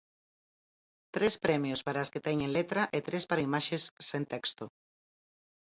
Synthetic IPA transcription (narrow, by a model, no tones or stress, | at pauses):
t̪ɾespɾɛmjospaɾasket̪ɛɲẽnlet̪ɾɐʔet̪ɾespaɾaimaʃesːẽnt̪ɛkst̪o